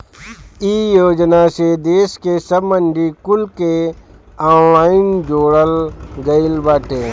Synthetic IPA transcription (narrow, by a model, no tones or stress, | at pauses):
iːjoːd͡ʒnased̪eːskesəbməɳɖikʊlke | ãːnlaːɪnd͡ʒoːɽəlɡəɪlbaːʈeː